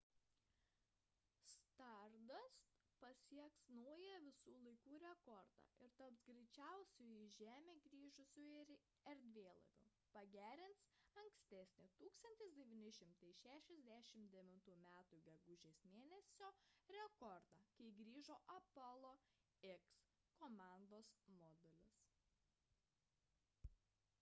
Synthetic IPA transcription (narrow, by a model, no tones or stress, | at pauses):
st̪ɐˑɾd̪ɐs | pɐsʲiɛksnɔʊjɛʋʲɪsuːlˠɐɪkuːɾʲɛkɔɾd̪ɑ̰ːɪɾt̪ɐpsɡɾʲɛɪt͡ʃʲæˑʊsʲujɪʒʲæːmʲeːɡɾʲiːʒʊsʲʊ | ɛɾʲd̪ʲʋʲeːlˠɐ̰ʋʲʊ̰ | pɐɡʲæːɾʲɪnt̪sɐŋksʲt̪ʲɛsʲnʲɪt̪uːkst̪ɐnʲt̪ʲɪs̬ʲd̪ʲɛʋʲiːnʲɪʃʲɪmt̪ɐɪʃʲæːʃʲɛzʲd̪ʲæʃʲɪmd̪ʲɛʋʲɪnt̪uːmʲæːt̪uːɡʲɛɡʊʒʲeːsmʲeːnʲɛsʲoːɾʲɛkɔɾd̪ɑːkɐɪɡɾʲiːʒoːʔɐpɐlˠoː | ɪks | koːmɑˑnd̪oːsmɔːd̪ʲɛlʲɪs